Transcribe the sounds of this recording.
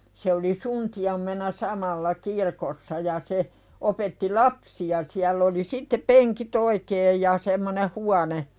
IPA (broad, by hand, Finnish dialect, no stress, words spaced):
se oli suntiɑmːenɑ sɑmɑlːɑ kirkosːɑ jɑ se opetːi lɑpsiɑ siælː oli sitːe peŋkit oikeːj jɑ semːone huɑne